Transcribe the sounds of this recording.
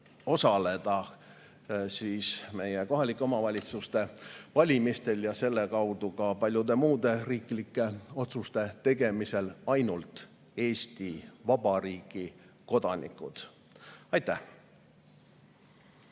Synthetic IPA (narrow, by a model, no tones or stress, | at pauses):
o̞sɑle̞d̪̥ɑ | siːsme̞jeko̞ɦɑlikːˑeo̞mɑvɑlʲit̪sust̪e̞vɑlʲimist̪e̞ljɑse̞lːe̞kɑwd̪̥ukɑpɑlʲjud̪e̞muːd̪̥e̞riːklikːˑe̞o̞t̪sust̪e̞t̪e̞ɡ̥e̞mise̞lɑjnult̪ | e̞ːsʲt̪ivɑb̥ɑriːɡ̥ˑiko̞d̪̥ɑnḭkˑṵd̪̥ | ɑjt̪ːæh